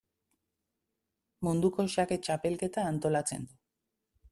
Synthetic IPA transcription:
mund̪uko̞ʃake̞t͡ʃape̞lke̞t̪aːnt̪o̞lat͡se̞̰nd̪u

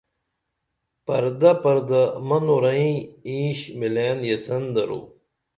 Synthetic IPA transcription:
pɐɾd̪apɐɾd̪amɐnuɾɐĩĩːɕmileːnjɐsɐnd̪ɐɾṵ

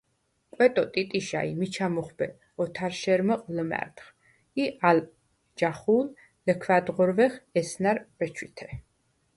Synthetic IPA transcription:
kʼwɛt̪ʼɔt̪ʼit̪ʼiʃa̰imit͡ʃʰamɔχbɛ | ɔt̪ʰaɾʃɛɾməqʼləmæ̰ɾt̪χ | ial | d͡ʒaχuːl | ləkʰvad̪ʁɔɾvɛχɛsnaɾb̥ɛt͡ʃʰwit̪ʰɛ

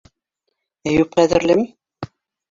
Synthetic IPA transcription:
æjupqæðɘ̆ɾlɘm

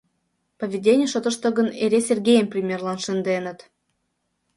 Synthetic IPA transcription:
pəvʲidʲenʲijəʃot̪ə̆ʃt̪ɤɣə̆neɾʲesʲerɡʲejəmprʲimʲerlˠɑnʃənd̪enə̆t̪

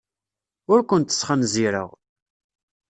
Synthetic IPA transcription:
ʊɾkʷənt̪ə̥sˤχənziɾə̰ʁ

